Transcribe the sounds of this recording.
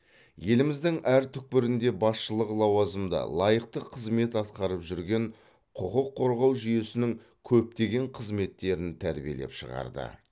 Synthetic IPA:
je̞lɪmɪzd̪ɪŋʔæɾt̪ʰʏk̚pɪɾɪnd̪e̞bɑsʃəlˠəqlˠɑwɑzəmd̪ə̰lˠɑjəqt̪əqʰəzme̞t̪ɑt̪qɑɾəpʒʏɾɡʲe̞ɴ | qʰʊqəqʰːo̞ɾʁɑwʒʏje̞sɪnɪŋ | kʲʰɵp̚t̪e̞ɡʲe̞ɴqʰəzme̞t̪ːe̞ɾɪnt̪ʰæɾbije̞̰lḛpʃəʁɑ̰ɾd̪ə̰

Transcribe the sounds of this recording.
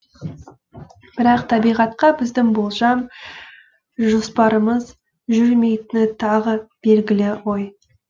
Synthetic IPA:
b̥ɪɾɑqt̪ʰɑbijʁɑt̪qɑbɪzd̪ɪŋbolˠʒɑm | ʒospɑɾəməz | ʒʏɾme̞jt̪ɪnɪt̪ʰɑʁəb̥e̞lɡʲɪlɪwo̞j

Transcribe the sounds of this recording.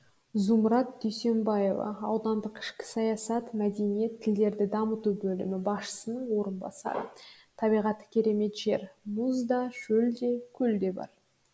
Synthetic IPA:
zumɾɑt̪̚d̪̥ʏjse̞mbɑje̞vɑ̰ɑwd̪ɑnd̪əqɪ̥ʃkʲɪ̥sɑjɑsɑt̪mæd̪e̞nije̞t̪ʰːɪld̪e̞ɾd̪ɪd̪ɑmət̪ubɵlɪmɪbɑsʃə̥sənəɴwo̞ɾənbɑ̰sɑ̰ɾə̰ | t̪ʰɑbijʁɑt̪ːə̥kʲʰe̞ɾe̞me̞t̪ʒe̞̰ɾmuzd̪ɑʒ̥ɵld̪e̞kʲʰɵld̪e̞bɑ̰ɾ

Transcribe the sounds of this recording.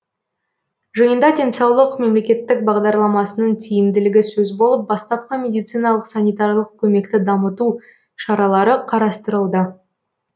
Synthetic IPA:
ʒəjənd̪ɑd̪ʲe̞nsɑwlˠəqme̞mle̞kʲe̞t̪ːɪk̚bɑʁd̪ɑɾlˠɑmɑsənəɴt̪ʰijɪmd̪ɪlɪɡʲɪsɵzbo̞lˠəp̚bɑst̪ɑp̚qɑmʲe̞d̪ijt̪sɨjnɑlˠəqsɑnʲijt̪ɑɾlˠəq̚kʲʰɵme̞kt̪ɪd̪ɑmət̪u | ʃɑɾɑlˠɑɾəqʰɑɾɑst̪əɾəlˠd̪ə

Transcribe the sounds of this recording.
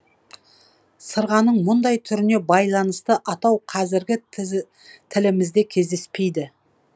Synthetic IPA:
səɾʁɑnəɴmʊnd̪ɑjt̪ʰʏɾɪne̞bɑjlˠɑnəst̪əʔɑt̪ɑwqʰɑzɪɾɡʲɪ | t̪ʰɪlɪmɪzd̪e̞kʲʰe̞zd̪e̞spe̞jd̪ɪ

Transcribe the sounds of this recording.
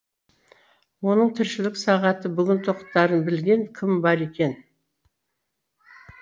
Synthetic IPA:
wo̞nəɴt̪ʰɪɾʃɪlɪksɑʁɑt̪əbʏɡʲɪnt̪ʰoqt̪ːɑɾənbɪlɡʲe̞ŋkʲʰɪmbɑɾe̞kʲe̞n

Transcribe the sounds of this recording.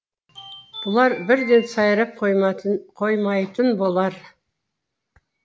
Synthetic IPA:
b̥ʊlˠɑɾbɪɾd̪e̞nsɑjɾɑp̚qjqʰojmɑjt̪ənbolˠɑɾ

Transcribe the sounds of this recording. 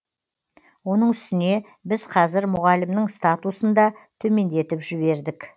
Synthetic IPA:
wo̞nəɴʏst̪ɪne̞ | bɪzqʰɑzɪɾmʊʁɑlɪmnɪɴst̪at̪usənd̪ɑt̪ʰɵme̞nd̪e̞t̪ɪpʒɪβe̞ɾd̪ɪk

